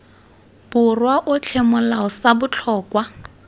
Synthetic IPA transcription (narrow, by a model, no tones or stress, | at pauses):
b̥ʊrwaʔʊt͡ɬʰɛmʊlaɔsabʊt͡ɬʰɔːkwa